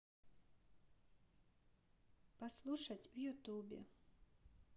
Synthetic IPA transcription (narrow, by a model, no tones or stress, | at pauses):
paslˠuʃat̪ʲvjut̪uːbʲɪ̰